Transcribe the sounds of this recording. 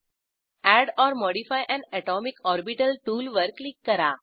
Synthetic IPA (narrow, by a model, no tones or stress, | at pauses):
æɽɔːɾmɔɽifajʔɛ̃ɳɖɛʈɔmikɔɾbiʈəlʈuːlʋəɾklikːəɾa